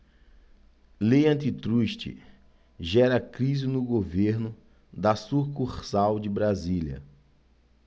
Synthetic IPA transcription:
leɐ̃t̪it̪ɾuʃt͡ʃɪ̰ | ʒɛɾɐkɾizɪnʊɡoveɾnʊ | d̪ɐsuɾkuχsawd͡ʒɪbɾaziljɐ̰

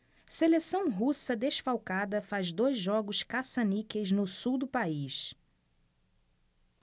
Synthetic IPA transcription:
selesɐ̃w̃ɦusɐd̪eʃfawkad̪ɐfazd̪ojzʒɔɡʊʃkasɐnikejznʊsuwd̪ʊpaiʃ

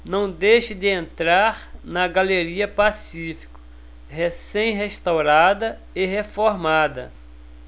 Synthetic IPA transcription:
nɐ̃w̃d̪ejʃɪd̪ɪẽnt̪ɾaɾnɐɡaleɾiɐpasifi̥kʊ̥ | hesẽj̃ɦeʃt̪awɾad̪ɐ | eɦefoɾmad̪ɐ̰

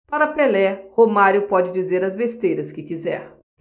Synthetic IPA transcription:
paɾɐpelɛhomaɾjʊpɔd͡ʒɪd͡ʒizeɾɐzbest̪ejɾɐskɪkizɛ̰ɾ

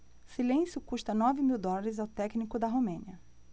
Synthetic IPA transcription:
silẽsjʊkuʃt̪ɐnɔvɪmiwd̪ɔlɐɾɪzawt̪ɛknikʊd̪ɐɦomẽniɐ

